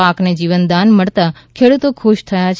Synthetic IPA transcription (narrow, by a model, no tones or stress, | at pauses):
akned͡ʒiʋənd̪anməɭt̪a | kʰeɽut̪okʰuʃt̪ʰəjat͡ʃʰ